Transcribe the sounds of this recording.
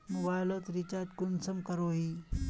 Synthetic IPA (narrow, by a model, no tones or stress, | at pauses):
nubajlət̪ɾit͡ɕat̪kunsəmkəɾoɦi